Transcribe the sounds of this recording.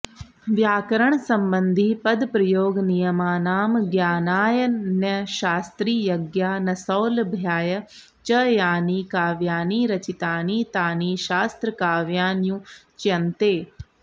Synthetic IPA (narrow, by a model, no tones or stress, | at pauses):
ʋjaːkəɾəɳ̃sɐ̃mbə̃nd̪ʱiːpɐd̪pɾɐjoːɡnijɐmaːnaːmɡjaːnaːjənɐʃaːst̪ɾiːjɐɡjaːnɐsɔːlbʱjaːjə | t͡ʃɐjaːniːkaːʋjaːniːɾɐt͡ʃit̪aːniːt̪aːniːʃaːst̪ɾəkaːʋjaːnjũt͡ʃɐnt̪eː